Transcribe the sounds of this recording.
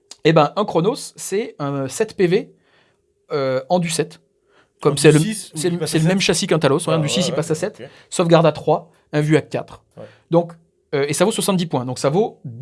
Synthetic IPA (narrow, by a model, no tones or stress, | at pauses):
ebɛ̃ʔɛ̃kχɔnosːɛɛ̃sɛt̪peve | øɑ̃d̪ysɛt̪ | kɔmsɛləsɛsɛləmɛmʃasikɛ̃t̪alosɔ̃d̪ysisipasasɛt̪ | sɔfɡaʁd̪at̪χwa | ɛ̃vyakːa̰t̪χ | d̪ɔ̃k | øesavoswasɑ̃t̪̚d̪ipwɛ̃d̪ɔ̃ksavo